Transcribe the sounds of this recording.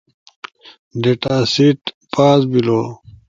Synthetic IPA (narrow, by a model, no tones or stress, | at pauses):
ɖeʈaːsiʈpaːsbilo